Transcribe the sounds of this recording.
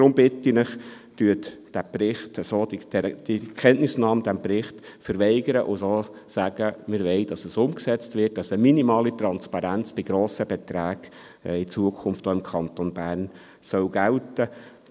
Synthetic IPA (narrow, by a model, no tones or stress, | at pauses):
d̥ɾʊmbɪtinəχtyətd̥æprɪχtəsoːdi̥ɛd̥ikʰɛnʔnɪsnɑːmd̥̪æmprɪχt | fəɾʋɛɪɡəɾəʔʊsoːsæɡ̥əmɪɾʋɛɪd̥ɑsəsʊmksɛt͡stvɪt̚dɑsəminimɑːlit̪ɾɑnspɑɾænt͡sb̥ɪɡ̥ɾoːsəb̥ɛt̪ɾæːɡ̥ | it͡suəkʰʊnftoɪmkʰɑnt̪onbæːɾn | sœwɡ̥æltə